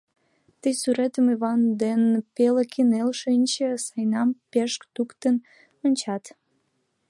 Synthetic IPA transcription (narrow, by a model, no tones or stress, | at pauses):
t̪əjsyɾet̪əmiβɑnd̪enpelekʰinelʃinʲt͡ɕə̆sɑjnɑmpeʃkt̪ukt̪ən | onʲt͡ɕɑt̪